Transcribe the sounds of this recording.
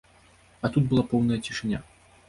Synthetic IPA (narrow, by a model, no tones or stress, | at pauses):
ɐt̪ut̪̚bɨlˠapɔwnɐjɐt͡sʲiʂɨnʲa̰